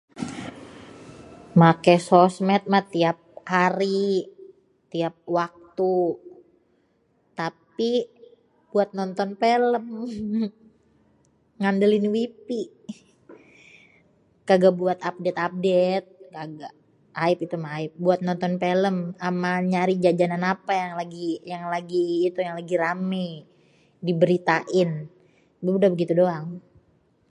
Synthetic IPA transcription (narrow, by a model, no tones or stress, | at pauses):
makɛsɔsmɛt̪̚mat̪iap̚haɾi | t̪iap̚wak̚t̪u | t̪api | buat̪̚nɔnt̪ɔnpeləm | ŋandəlɪnwipi | ɡ̥aɡabuat̪ap̚dɛt̪ap̚det̪̚ɡaɡa | aɪpit̪umaaɪp̚buat̪̚nɔnt̪ɔnpeləmamaɲaɾid͡ʒad͡ʒananapajaŋlaɡijaŋlaɡiːt̪ujaŋlaɡiɾamɛj | dibəɾit̪aʔɪn | bəudabəɡit̪udoaŋ